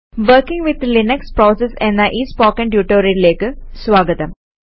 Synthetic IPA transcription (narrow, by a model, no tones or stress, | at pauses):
ʋəːɾkɪ̃ŋɡʋɪd̪linekspɾɔːsesɛ̃nd̪ɐʔiːspɔːkɛ̃ɳɖjuːʈoːɾileːkɨsʋaːɡət̪ɐ̃m